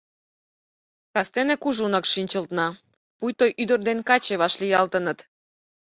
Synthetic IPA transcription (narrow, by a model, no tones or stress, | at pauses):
kɑst̪enekuʒunɑkʃinʲt͡ɕə̆lt̪nɑ | pujt̪ojʔyd̪ərd̪enkɑt͡ɕeβɑʃlʲijɑlt̪ənət̪